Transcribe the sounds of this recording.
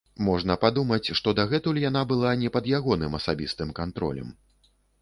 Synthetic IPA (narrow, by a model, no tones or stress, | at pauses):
mɔʐnɐpad̪umɐt͡sʲʂt̪ɔd̪aɣɛt̪ulʲjan̪abɨlˠanʲɛpɐd̪jaɣɔnɨmɐsabʲist̪ɨmkant̪ɾɔ̰lʲɐ̰m